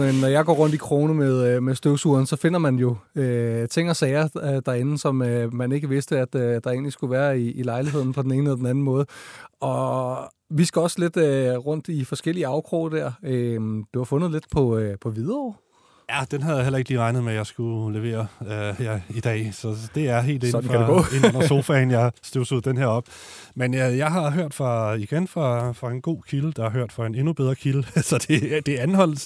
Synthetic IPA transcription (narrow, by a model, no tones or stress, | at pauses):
eːɒjɑ̈ɪɡ̥ɒ̰ːʁɔ̽n̰d̥ikʰʁo̝ːnəmeðˠmesd̥øʊsuːɐnsɒ̽fe̝n̰ɐmænjo̝øt͡sʰe̝ŋ̰ɐsɛɪɐd̥ɑ̈e̝nn̩sɒ̽møːæne̝ɡ̥əʋe̝sd̥əæd̥d̥ɑ̈e̝̰ːnlisɡ̥uʋæːɐiiːlɑ̈ɪlihe̝ð̰ˠn̩pʰɒ̽d̥ene̝ːnəɒ̽d̥enæn̩mɔ̽ːð̞ˠəɒ̽ | ʋisɡ̥æɒ̽sle̝d̥øʁɔ̽n̰d̥ifɒ̽sɡ̥el̰iəɑ̈ʊkʰʁo̰ːd̥æɐ̰ømd̥uhɑ̈fɔ̽nð̞̩ˠle̝d̥pʰɒ̽pʰɒ̽ʋiðˠɐɒ̰ː | jæd̥enɦæðˠjɑ̈ɦelɐeɡ̥liːʁɑ̈ɪnð̩ˠmejɑ̈ɪsɡ̥ule̝ʋe̝̰ːɐøjɑid̥ɛ̰ːsɒ̽d̥e̝æɐɦe̝̰ːldenn̩fʁeɡ̥ɔ̰ːenɔn̰ɐso̝ːfɛnjɑ̈ɪsd̥usəð̩ˠd̥enɦeɐɒ̽b̥menøjɑ̈ɪɦɑ̈ɦøɐ̰d̥fʁɑ̈iɡ̥enfʁɑ̈fʁɑ̈e̝nɡ̥o̝̰ːkʰiləd̥ɑ̈hɑ̈ɦøɐ̰d̥fɑene̝nub̥eð̞ˠʁɐkʰiləsɒ̽d̥e̝d̥e̝ænhɒ̽l̰